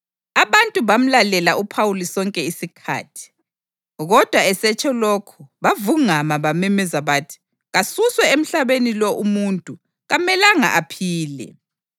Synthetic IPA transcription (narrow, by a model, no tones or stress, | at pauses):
aβantʼuβam̩lalɛlaupʰawulisɔŋkʼɛisikʰa̰ːtʰi̥ | ɣɔd̥ʱwaɛsɛt͡ʃʼɔlokʰuβavuŋamaβamimɛzaβaːtʰi̥ | ɣasuswɛem̩ɬaβenilɔʔumuntʼu | ɣamɛlaŋa̰ʔapʰiːlɛ̰